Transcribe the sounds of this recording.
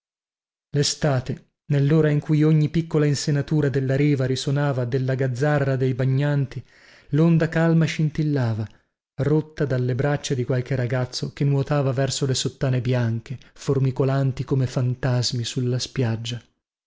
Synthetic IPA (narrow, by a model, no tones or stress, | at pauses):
lest̪aːt̪e | nelːoːɾaiŋkujoɲːipikːolainsenat̪uːɾad̪elːaɾiːvaɾisonaːvad̪elːaɡad̪zːarːad̪ejbaɲːant̪i | lond̪akalmaʃint̪ilːaːva | rot̪ːad̪alːebɾat͡ʃːed̪ikwalk̟eɾaɡat̪sːok̟enuot̪aːvavɛrsolesot̪ːaːnebjaŋkeformikolant̪ikomefant̪azmisulːaspjad͡ʒːa